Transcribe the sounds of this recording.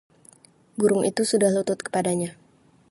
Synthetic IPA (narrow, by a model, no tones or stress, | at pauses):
buɾʊŋʔḭt̪usudahlut̪ʊt̪̚kə̥padaɲa